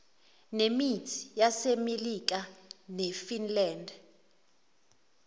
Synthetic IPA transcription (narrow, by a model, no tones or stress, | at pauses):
nemitʰi̥jasemelik̬anefinlɛːnd